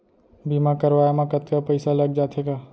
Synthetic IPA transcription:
bimakəɾʋaːjamãkət̪kapəɪsalɐɡ̚d͡ʒaːt̪ʰeɡaː

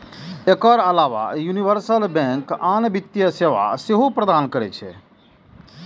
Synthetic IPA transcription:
ekəɾəlaʋa̰juniʋəɾsəlbɛ̃ŋkanbit̪jəseʋa̰seɦopɾəd̪ankəɾɛ̰t͡ʃʰɛ̰

